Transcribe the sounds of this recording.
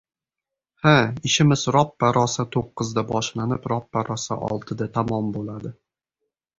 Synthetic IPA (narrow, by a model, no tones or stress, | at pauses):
haɪʃɪmɪzɾɒpːaɾɒsat̪ʰoqːɨzd̪abɒʃlanɪpɾɒpːaɾʔɒsa̰ʔɒ̰lˠt̪ʰɨd̪at̪ʰamɒmbolad̪ɪ